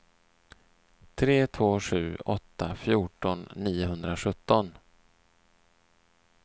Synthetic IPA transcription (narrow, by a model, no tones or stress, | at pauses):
t̪ʰɾeːt̪ʰvoːɧʉ̟ːɔt̪ʰːafjuːʈɔnːiːʊɦɵnd̪ɾaɧɵt̪ːɔn